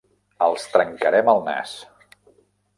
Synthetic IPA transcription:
əlˠst̪ɾəŋkəɾɛməlˠna̰s

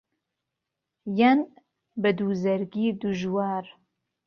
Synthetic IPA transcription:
jɐn | bɐd̪uːzɐɾɡiːd̪uʒwaːɾ

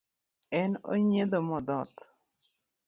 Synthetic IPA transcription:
ɛno̰ɲed̪omɔd̪ɔt̪

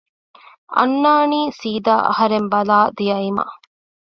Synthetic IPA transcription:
ɐ̰nːaːniːsiːd̪aːʔɐ̰hɐɾembɐlaːd̪ijɐimɐ̰

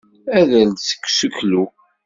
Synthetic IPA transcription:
æðæld̪sə̥kːsuklu

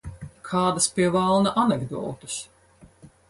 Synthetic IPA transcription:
kʰaːd̪aspʲiɛvalˠnaʔanɛɡd̪ṵwt̪is

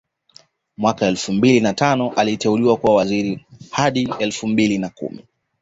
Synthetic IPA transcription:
mwakaɛlfumbilinatanɔʔalitɛuliwakuwawaziɾihaɗiɛlfumbilinakṵmḭ

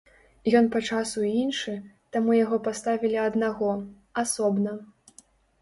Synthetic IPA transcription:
jɔnpɐt͡ʂasuinʂɨ | t̪amujaɣɔpast̪avʲilʲiɐd̪naɣɔ | asɔbnɐ

